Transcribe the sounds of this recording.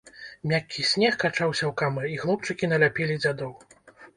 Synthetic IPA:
mʲakʲːisʲnʲɛxkat͡ʂawsʲɐwkamɨiɣlˠup̚t͡ʂɨkʲin̪ɐlʲapʲɛlʲid͡zʲad̪ɔw

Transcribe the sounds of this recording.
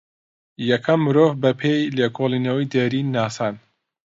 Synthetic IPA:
jɐkʰɐmːɨɾoːvbɐpʰejleːkʰolˠiːnɐwijd̪eːɾiːaːsaːn

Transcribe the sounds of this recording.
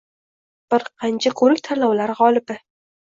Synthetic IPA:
b̥ɪɾqʰɑnt͡ʃʰakʰɵɾɪkʲt̪ʰalɒwlaɾʁɒlˠɪpɪ

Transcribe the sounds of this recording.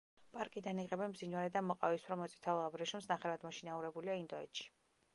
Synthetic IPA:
pʼaɾkʼid̪aniʁɛbɛnbzinwaɾɛd̪amɔqʼavisʰɾamɔt̪sʼi̥t̪ʰaabɾɛʃumsnaχɛvad̪mɔʃinauɾɛbuliaind̪ɔɛ̰t̪ʃi̥

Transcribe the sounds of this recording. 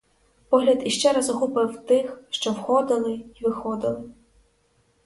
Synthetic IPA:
pɔɦlʲɐd̪iʃt͡ʃɛɾɐzɔɦupɪwt̪ɪxʃt͡ʃɔwxɔd̪ɪlˠɪiʋɪxɔd̪ɪlˠɪ

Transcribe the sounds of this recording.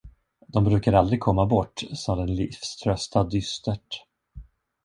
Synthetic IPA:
d̪ɔmbɾʉ̟ːkaɾald̪ɾɪɡ̚kʰɔmːabɔʈːsɔːd̪ɛnlɪ̰fst̪ʰɾœst̪ad̪ʏst̪əʈ

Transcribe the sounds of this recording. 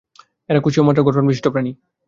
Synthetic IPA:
eɾakut͡ɕʰiomatːaɡɔʈʰonbii̥tʈʰːopɾani

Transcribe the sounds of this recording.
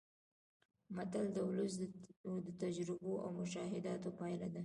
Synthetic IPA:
mat̪ald̪əwʊləs̬d̪ət̪ad͡ʒɾɪboʔa̰wmʊʃɑɦɪd̪ɑt̪opɑjlad̪a

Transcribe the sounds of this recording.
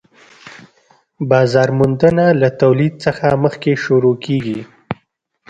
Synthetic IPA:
bɑzɑɾmʊnd̪ənalat̪awlid̪̚səxaməxkeʃuɾokʰeɡi

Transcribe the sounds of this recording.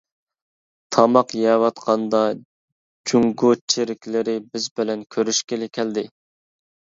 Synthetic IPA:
t̪ʰɑmɑqjɛwɑt̪qʰɑnd̪ɑ | d͡ʒuŋɡʊt͡ʃʰeɾɪkʲlɪɾɪbɪzbɪlɛnkʲʰøɾyʃkʲelɪkʲʰɛld̪ɪ

